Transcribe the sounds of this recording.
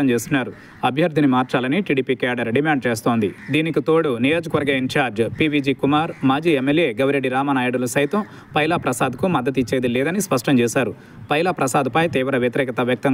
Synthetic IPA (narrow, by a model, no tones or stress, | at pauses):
ɐmt͡ʃeːst̪unːaːɾu | ɐbʱjɐɾd̪ʱinimaːɾt͡ʃaːlɐniʈiːɖiːpikaːɖɐɾɖimaːɳɖ̚t͡ʃeːst̪o̞ːnd̪id̪iːnikit̪o̞ːɽunijo̞ːd͡ʒɐkɐʋɐɾɡɐiɲt͡ʃaːɾd͡ʒpiːbiːd͡ʒiːkumaːɾmaːd͡ʒiːemːelje̞ːɡɐʋɾeɖːiɾaːmɐnaːjɐɽulɐsɐjt̪ɐm | pɐjlɐpɾɐsaːd̪kumɐd̪ːɐt̪it͡ʃːe̞ːd̪ilɛːd̪ɐnispɐʂʈɐmt͡ʃɛːʃaːɾu | pɐjlɐpɾɐsaːd̪ɐpɐjt̪iːʋɾɐʋjɐt̪iɾɛːkɐt̪ɐʋjɐk̚t̪ɐŋ